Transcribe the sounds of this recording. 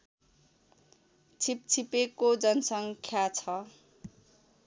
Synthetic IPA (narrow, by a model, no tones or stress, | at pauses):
t͡sʰip̚t͡sʰipekod͡zʌnsʌŋkʰjat͡sʰʌ